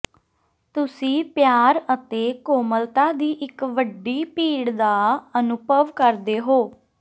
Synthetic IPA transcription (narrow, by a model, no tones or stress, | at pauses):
t̪ʊsĩːpjaːɾət̪eːkoːməlt̪aːd̪iːʔɪkʋəɖːiːpiːɽd̪aːənʊpəʋkəɾd̪eːɦoː